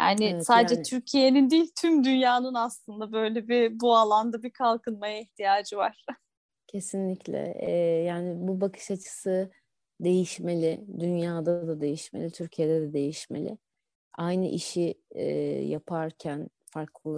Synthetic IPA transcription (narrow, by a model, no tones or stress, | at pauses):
ja̰ːnɪsaːd̪d͡ʒɛt̪ʰyɾcʰije̞nind̪iːlʲt̪ʰymd̪ynjaːnɯnaslˠɯnd̪abø̞jlʲɛbibualˠand̪abikʰalˠkɯnmajaiçt̪ʰijaːd͡ʒɯvaɾ̥ | cʰe̞sinlʲiclʲɛ̰ɛjaːnɪbubakʰɯ̥ʃat͡ʃʰɯ̥sɯ | d̪e̞jiʃme̞lʲɪd̪ynjaːd̪ad̪ad̪e̞jiʃmelʲit̪ʰyɾcʰijed̪ɛd̪ɛd̪e̞jiʃme̞̰lʲɪ̰ | ajnɯʔiʃiɛ̰japʰaɾcʰæn | faɾklˠɯlˠ